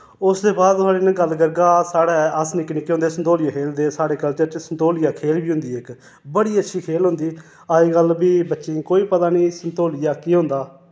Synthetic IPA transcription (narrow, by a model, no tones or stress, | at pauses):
ʊsd̪eːbaːd̪aːɽeːnẽːɡəlɡəɾɡaːsaːɽaːəsnɪkniːkːɦõːnd̪eːsənt̪oːlɪjaːkʰeːld̪eːsaːɽeːkəlt͡ʃəɾt͡ʃsənt̪oːlɪjaːkʰeːlbiːɦʊ̃nd̪iːɪk | bəɽiːətːʃʰiːkʰeːlɦʊ̃nd̪iː | aːiːɡəlbiːbətːʃiːkoːiːpət̪aːniːsənt̪oːlɪjaːkiːɦõːnd̪aː